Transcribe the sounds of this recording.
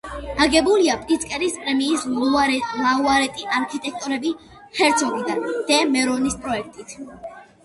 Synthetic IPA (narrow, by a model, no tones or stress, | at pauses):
aɡɛbuliapʼɾʼit̪sʰʼkʼɛɾispʼɾɛmiːslualauaɾɛt̪ʼiʔaɾkʰit̪ʼɛk̚ʰt̪ʼɔɾɛbi | hɛɾt̪sʰɔɡid̪and̪̥ɛmɛɾɔnispʼɾɔɛk̚ʰt̪ʼit̪ʰ